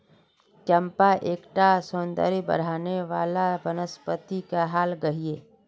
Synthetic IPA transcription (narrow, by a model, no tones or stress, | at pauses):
t͡ʃɐ̃mpaʔeːkʈasõːnd̪ə̰ɾibə̰ɾ̤aːneʋaːlabənəspət̪ikaɦaːlɡɐɦieː